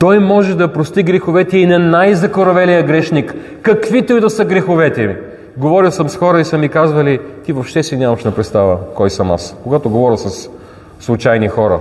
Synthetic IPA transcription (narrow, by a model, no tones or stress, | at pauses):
t̪ɔjmɔʒɛd̪ɐpɾost̪iɡɾɛxovɛt̪ɛinɛnajzɐkoɾɐvɛlijəɡɾɛʃnikː | ɐkvit̪ojid̪ɐsəɡɾɛxovɛt̪ɛi | ɡovɔɾilˠsəmsxɔɾəisɐmikazvɐlit̪ivopʃt̪ɛsinʲamɐʃnɐpɾɛt̪st̪avəkɔjsɐma̰skoɡat̪oɡovɔɾilˠsɐsː | lˠʊt͡ʃajnixɔɾɐ